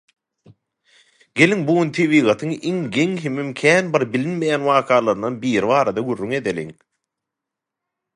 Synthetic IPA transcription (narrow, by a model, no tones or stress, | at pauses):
ɡ̥e̞liŋbuɣynt̪ʰeβiːɣɑt̪ʰɯŋiŋɡe̞ŋɦemimkʲʰæːnbiɾbilinmejæːnwɑːqʰɑːlˠɑɾɯnɑnbiːɾiβɑːɾɑd̪ɑɡurːyŋe̞d̪elʲḭŋ